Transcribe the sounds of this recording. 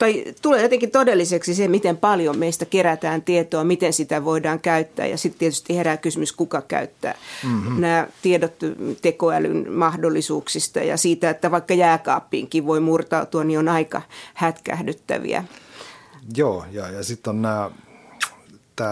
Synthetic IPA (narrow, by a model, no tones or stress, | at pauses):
t̪ɑit̪uleːjot̪eŋkit̪odelːiseksisemit̪empɑljommeist̪ækeɾæt̪æːnt̪iet̪oɑmit̪ensit̪æʋoidɑːŋkæyt̪ːæ̰ːjɑ̰sit̪t̪iet̪y̥st̪iheræːkysymyskukɑkæ̰yt̪ːæ̰ːnæːt̪iedot̪t̪ekoæly̰nmɑhdolːisuːksist̪ɑ̰jɑ̰siːt̪æet̪ːæʋɑikːɑjæːkɑ̰ːpːḭːŋkiʋʋoimurt̪ɑut̪uɑnionɑikɑ̰hæt̪kæ̰hdyt̪ːæ̰ʋḭæ̰ | joːjɑːjɑsit̪ːonnæː | t̪æː